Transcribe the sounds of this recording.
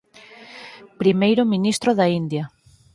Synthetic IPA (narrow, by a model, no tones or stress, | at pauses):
pɾimejɾʊminist̪ɾoðaind̪jɐ